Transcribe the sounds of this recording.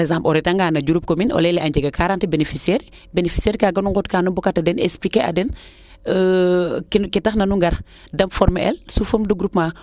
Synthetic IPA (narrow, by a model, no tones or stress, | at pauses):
ɛzãmpɔɾɛtaŋɡaːnɐɟuɾup̚kominɔ̰lɛlɛʔaɲɟɛɡɐkʰaɾantibenefisiɛɾ | benefi̥sɛːɾkaːɡɐnuŋɡotkaːnubɔkatadɛnḛsplikeʔa̰dɛn | kkitɐxnɐnuŋɡɐɾ | dɐmfɔɾmeɛ̰lsufəmduɡɾupma